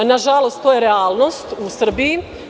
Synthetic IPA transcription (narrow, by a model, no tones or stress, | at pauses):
naʒalost̪t̪oːjeɾeaːlˠno̞st̪usr̩biji